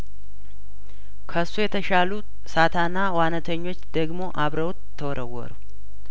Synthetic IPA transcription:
kʰəsːujɛt̪ʰəʃalu | sat̪ʰanːawanət̪ʰəɲːo̞t͡ʃːd̪̥əɡmo̞ʔaβɾəwt̪ʰːəwɾəwːɔ̰ɾu

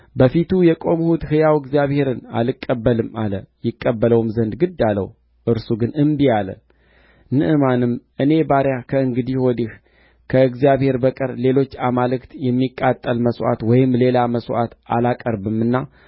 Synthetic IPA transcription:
bəfit̪ʰujɛkʼo̞mhut̪hɨjawɨɡzjaβhe̞ɾɨna̰lɨkʼːəbːəlɨmalə̰jɪkʼːəbːələwmzənd̪ɡɨd̪ːalə̰w | ʔɨɾsuɡɨnɨmbijalə̰ | nɨʔɨmanɨmʔɨne̞baɾjakʰəɨŋɡɨd̪iwɔd̪ih | kʰəɨɡzijaβhe̞ɾbəkʼɨɾle̞lo̞t͡ʃːamalɨkt̪jɛmːikʼːat̪ʼːəlməsʔa̰t̪wɔjɪmle̞laməsʔa̰t̪a̰lakʼəɾbɨmːɨnːa

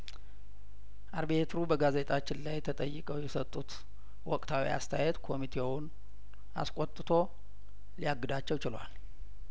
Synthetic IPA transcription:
ʔaɾbiet̪ʰɾubəɡaze̞t̪ʼat͡ʃːɪnlajt̪ʰət̪ʼəjːɨkʼəwjɛsət̪ʼːut̪ | wɔkʼt̪ʰawḭa̰st̪ʰəajɛt̪kʰo̞mit̪ʰe̞wʊn | a̰skʷʼot̪ʼːɨt̪ʰo̞ | lijaɡːɨd̪at͡ʃːɛwt͡ʃɪlwa̰l

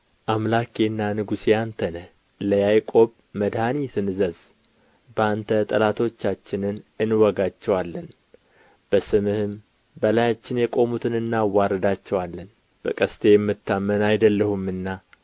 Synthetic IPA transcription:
ʔamlakenːanɨɡusijant̪ʰənəh | ləjajkʼo̞β | məd̪hanit̪ʰɨnzəz | bəant̪ʰət̪ʼəlat̪ʰo̞t͡ʃːat͡ʃːɪnɨnɨnwɔɡat͡ʃːɛwalːən | b̥əsɨmɨhɨm | bəlajat͡ʃːɪnjɛkʼo̞mut̪ʰɨnɨnːawːaɾəd̪at͡ʃːɛwalːən | b̥əkʼəst̪ʰejɛmːɨt̪ʰːamːənajd̪əlːəhumːɨnːa

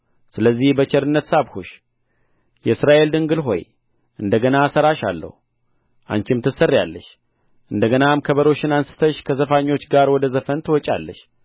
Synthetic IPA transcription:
sɨləzːihbət͡ʃɛɾɨnːət̪saβhuʃ | jɛsɾaʔe̞ld̪ɨŋɡɨlɦo̞̰j | ʔɨnd̪əɡənasəɾaʃa̰lːə̰hu | ʔa̰ɲt͡ʃɪmt̪ʰɨsərːja̰lːəʃ | ʔɨnd̪əɡənamkʰəβəɾo̞ʃɪnansɨ̥t̪ʰəʃkʰəzəfaɲːo̞t͡ʃːɡaɾwɔd̪əzəfənt̪ʰɨwɔt͡ʃʼa̰lːəʃ

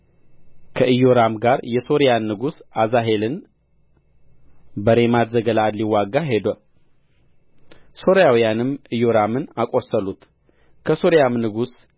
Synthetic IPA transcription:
kʰəʔɨjo̞ɾamɡaɾjɛso̞ɾijanːɨɡusazaɦe̞lɨn | bəɾe̞mad̪zəɡəlad̪liwːaɡːaɦe̞d̪ə | so̞ɾjawijanɨmɨjo̞ɾamɨnakʼo̞səlut̪ | kʰəso̞ɾijamnɨɡus

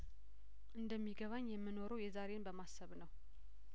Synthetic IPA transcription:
ʔɨnd̪əmːiɡəβaɲːjɛmːɨno̞ɾəwjɛzaɾenbəmasːəβnəw

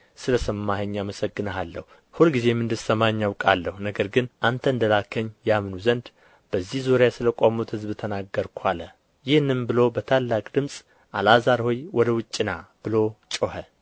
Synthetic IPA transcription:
sɨləsəmːahəɲːaməsəɡːɨnəalːəhu | hulɡize̞mɨnd̪ɨsəmaɲːawkʼalːəhunəɡəɾɡɨnʔant̪ʰəɨnd̪əlakʰəɲːjamnuzənd̪ | b̥əzːihzoɾjasɨləkʷʼamut̪hɨzbɨt̪ʰənaɡːəɾkʰʷalə | jɪhnːɨmbɨlo̞bət̪ʰalːakʼd̪ɨmsʼ | ʔalazaɾho̞jwʔɔd̪əwʊt͡ʃʼːɪnab̥ɨlo̞t͡ʃʼohə

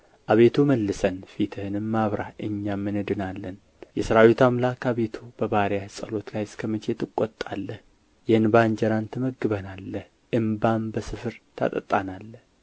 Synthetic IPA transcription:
ʔaβe̞t̪ʰuməlːɨsənfit̪ʰɨhɨnɨmːaβɾaʔɨɲːamːɨnɨd̪ɨnalːən | jɛsɨɾawit̪ʰamlakaβe̞t̪ʰubəβaɾjahɨsʼəlo̞t̪lajɪskʰəmət͡ʃʰe̞t̪ɨkʼːɔt̪ʼːa̰lːəh | jɛhɨnband͡ʒəɾant̪ʰəməɡːɨβənalːəh | ʔɨmbambəsɨfɨɾt̪ʰa̰t̪ʼə̰t̪ʼːanalːəh

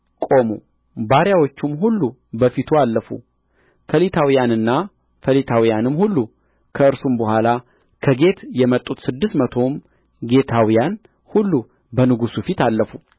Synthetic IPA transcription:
kʼo̞mṵ | baɾjawo̞t͡ʃːumɦulːu | bəfit̪ʰualːəfṵ | kʰəlit̪ʰawijanɨnːa | fəlit̪ʰawijanɨmhulːu | kʰəɨɾsumbəhʷala | kʰəɡe̞t̪jɛmət̪ʼːut̪sɨd̪ːɨst̪mət̪ʰo̞m | ɡe̞t̪ʰawijan | hulːu | bənɨɡusufit̪alːəfu

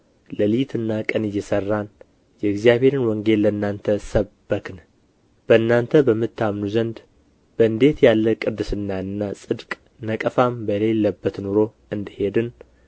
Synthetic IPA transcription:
ləlɨjt̪ʰɨnːakʼənɨjːɛsərːan | jɛɨɡzijaβe̞ɾɨnwɔŋɡe̞lːəɨnːant̪ʰəsəbːəkʰɨn | b̥əɨnːant̪ʰəbəmːɨt̪ʰːamnuzənd̪ | bəɨnd̪e̞t̪jalːəkʼɨd̪ːɨsɨnːaɨnːasʼɨd̪kʼ | nəkʼəfambəle̞lːəbːət̪nuɾo̞ | ɨnd̪ɨhe̞d̪ɨn

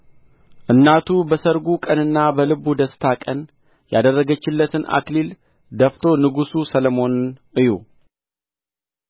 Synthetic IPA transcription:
ʔɨnːat̪ʰubəsəɾɡukʼənɨnːabəlɨbud̪əst̪ʰakʼən | jad̪ərːəɡət͡ʃːɪlːət̪ʰɨnʔa̰klil | d̪əft̪ʰo̞nɨɡususələmo̞nʔɨju

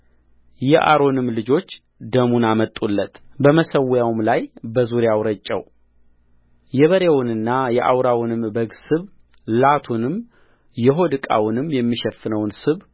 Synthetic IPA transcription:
jɛʔa̰ɾo̞nɨmːlɨd͡ʒo̞t͡ʃː | d̪əmunamət̪ʼːulːət̪ʰbəməsəwjawmlajbəzuɾjawɾət͡ʃʼːɛ̰w | jɛβəɾewʊnɨnːajɛʔa̰wɾawʊnɨmbəɡsɨβ | lat̪ʰunɨm | jɛɦo̞d̪ɨkʼa̰wʊnɨmːjɛmːiʃɛfːɨnəwnsɨβ

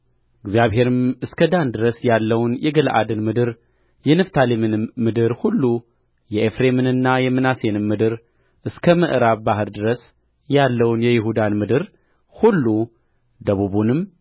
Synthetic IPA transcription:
ʔɨɡzijaβɦe̞ɾɨmɨskʰəd̪and̪ɨɾəsjalːəwnjɛɡəlʔa̰d̪ɨnmɨd̪ɨɾ | jɛnɨft̪ʰalemɨnmɨd̪ɨɾhulːu | jɛʔefɾe̞mɨnɨnːajɛmɨnase̞nɨmːɨd̪ɨɾ | ʔɨskʰəməʔɨɾaβbaɦɨɾd̪ɨɾəs | jalːəwnjɛjɪɦud̪anmɨd̪ɨɾ | hulːu | d̪əβuβunɨm

